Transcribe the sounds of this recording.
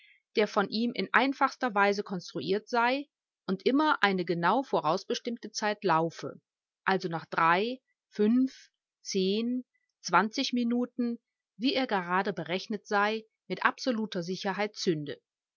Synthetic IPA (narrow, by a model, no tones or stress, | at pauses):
d̥eːɐfɔnʔiːmʔɪ̰nʔa̰ɪnfaχstɐvaɪzəkʰɔnstʁ̥uʔiːɐtz̥aɪ | ʔʊntʔɪmɐʔaɪnəɡənaʊfoːʁ̞aʊsb̥əʃtɪmtət͡saɪtlaʊfə̰ | ʔalzonaːχd̥ʁaɪ | fʏnf | t͡seːn | t͡sv̥ant͡sɪçminuːtn̩ | viːʔeːɐɡəʁaːdəbəʁɛçnətz̥aɪ | mɪtʔa̰pz̥oluːtʰɐzɪçɐɦaɪtt͡sʏndə̰